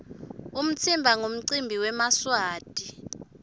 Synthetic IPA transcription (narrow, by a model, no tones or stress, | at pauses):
um̩t͡sʰimbʱaŋom̩ǀimbʱiwɛmaswaːd̥ʱi